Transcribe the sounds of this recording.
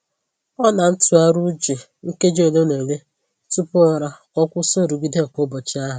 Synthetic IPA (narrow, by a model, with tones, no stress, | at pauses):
ɔ˦na˨n̩˦tʊ˨a˦ɾu˦d͡ʒe˨ | ŋ̩˦ke˦d͡ʒe˨le˦ne˨le˦ | tu˦pʊ˦ɔ˦ɾa˦kɔ˦kʷʊ˦so˦˨ɾu˨ɡi˦de˦˨ko˦bɔ˨t͡ʃɪ˦a˦ɦʊ˨